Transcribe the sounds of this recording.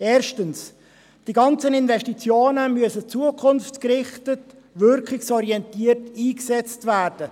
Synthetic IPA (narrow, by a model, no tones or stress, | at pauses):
eːɾʃtəns | d̥iɡɑnt͡sənɪnvɛʃtit͡sjoːnəmyəsət͡suəkʰχʊnftkrɪχtət | ʋʏɾkχɪksɔɾiɛntiːərtiːksɛt͡stvæːrd̥ə